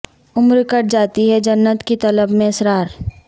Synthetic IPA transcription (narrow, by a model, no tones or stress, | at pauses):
ʊmɾkɐɾd͡ʒaːt̪iɦɛd͡ʒɐnːət̪kit̪ɐləbmẽɐsɾaːɾ